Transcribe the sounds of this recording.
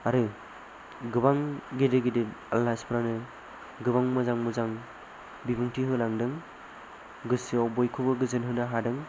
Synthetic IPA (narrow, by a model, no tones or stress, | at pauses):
aɾɯ | ɡɯbaŋɡedɯɡedealːaspʰɾanɯ | ɡɯbaŋmɯzaŋmɯzaŋ | bibɯŋtʰiɦɯlaŋdɯŋ | ɡɯsiɔbɔjkʰɯbɯɡɯzɯnɦɯnaɦadɯŋ